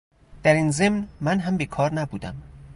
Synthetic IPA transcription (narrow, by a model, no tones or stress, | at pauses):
d̪̥æɾiːnze̞mnmænɦæmbekʰɒːɾnæbuːd̪æ̰m